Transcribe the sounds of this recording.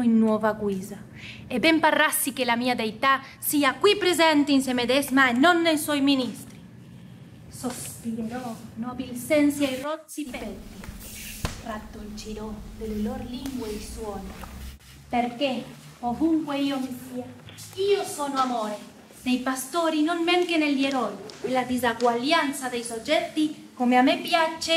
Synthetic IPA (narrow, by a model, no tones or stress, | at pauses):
inːwɔːvaɡwiːza | ebɛmparasːikelamiːad̪ejt̪a | siːakwipɾezɛnt̪einsemed̪ɛzmaenːonːejswɔjminist̪ɾi | sospiɾeɾɔnɔbilsɛnsiajrɔt̪sippet̪ːi | rat̪ːolt͡ʃiɾɔd̪eleloɾliŋɡweiswɔne | peɾke | ovuŋkweiomisiaiosonoamoɾe | d̪ejpast̪oɾinonmeŋkeneljeɾɔjelad̪izaɡwaljant̪sad̪ejsod͡ʒɛt̪ːi | komeamepjat͡ʃːe